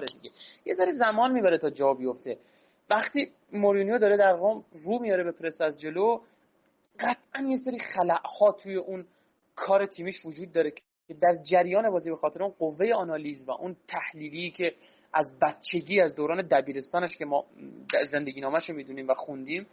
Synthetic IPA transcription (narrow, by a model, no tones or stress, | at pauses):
ɾed̪iɟʲejezæɾezæmɒːnmiːbæɾet̪ʰɒːd͡ʒɒbijoft̪e̞ | væχt̪iː | moɾinjod̪ɒːɾed̪æɾɾomruːmijɒːɾebe̞pʰɾesæzd͡ʒe̞lo | ɢæt̪ʰʔænje̞seɾiːχælæʔhɒːt̪ʰuːje̞ʔun | kʰɒːɾe̞t̪ʰiːmiːʃvod͡ʒuːd̪̚ːɒːɾe | cʰed̪æɾd͡ʒæɾjɒːnebɒːziːbe̞xɒːt̪ʰeɾeunɢovːe̞jeɒnɒːliːzvæ̰ʔunt̪ʰæhliːliːcʰe̞ | ʔæzbæt̪̚t͡ʃʰe̞ɟiːæzd̪oɾɒːned̪æbiːɾe̞st̪ɒːneʃcʲe̞mɒːd̪æɾze̞nd̪eɟiːnɒːmæʃomiːd̪uniːmvæxund̪iːm